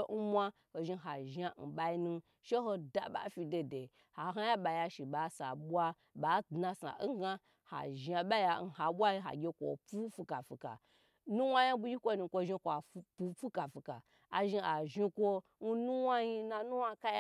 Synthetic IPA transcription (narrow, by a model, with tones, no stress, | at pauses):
n̩˦mʷa˦ | ho˨ʒi˧ɦa˨ʒa˦n̩˨ɓa˧i˧nũ˧ | ʃe˦ɦo˧da̰˨ɓa̰˨fi˧de˧de˨ | ha˨ɦa˦ja˦ɓa˨ja˧ʃi˨ɓa˨˦sa̰˨ɓwa˧ | ɓa˨˦dna˧sa̰˨˦ɡa˦ | ha̰˨ʒa˧ɓa˦ja˨n̩˦˨ɦa˨ɓʷa˦i˧˦ɦa̰˨ɡʲe˧kʷo̰˨pu˦fi˧ka˨fi˨ka̰˨ | nu˦wʷa˦ja˦bu˧˦ji˦kʷo˦nu˧˨kʷo˧ʒi˧˦kʷa˨˦pu˦˧pu˦ka˨fi˨ka̰˨ | a˨ʒi˧a˨ʒi˧kʷo˦n̩˦nu˦wa˦ji˦na˧nu˦wa˦ka˦j